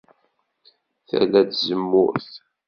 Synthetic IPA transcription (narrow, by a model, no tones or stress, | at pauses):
θæ̰læd̪zəmːʊ̰ɾθ